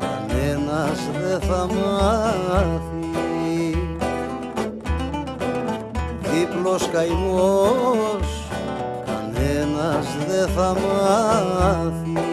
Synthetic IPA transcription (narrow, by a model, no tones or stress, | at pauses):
a̰nenazðeθama | θi | ðiploskajmuo | s | anenazðeθamaa | θi